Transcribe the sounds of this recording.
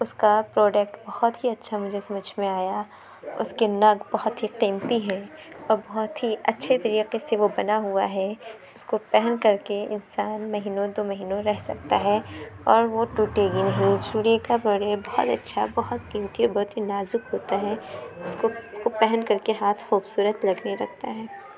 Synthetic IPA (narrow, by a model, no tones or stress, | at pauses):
ʊskapɾoːɖek̚ʈbɐhɔt̪ɦiɐtːʃʰamʊd͡ʒʱesɐməd͡ʒʱmẽaːja | ʊ̰skenɐɡbɐɦɔt̪ɦiqiːmt̪iɦɛ̃ɔːɾbɐɦʊt̪ɦiɐtːʃʰet̪ɐɾiːqeseʋobɐnaɦuaɦɛ | ʊskopɛɦɛnkɐɾkeɪ̰nsaːnmɐɦiːnõd̪oːmɐɦiːnõɾɛɦsɐ̰k̚t̪aɦɛɔːɾʋoʈuːʈeɡinɐɦĩd͡ʒuːɾiekabɐɽeːbɐɦʊ̰t̪ɐ̰tːʃʰa̰bɐɦʊt̪qiːmt̪iɔːɾbɐɦʊt̪ɦinaːzʊkɦoːt̪aɦɛʊskokopɛɦɛnkɐɾkeɦaːt̪ʰxuːbsuːɾət̪lɐɡneɾɐɡ̚t̪a̰ɦɛː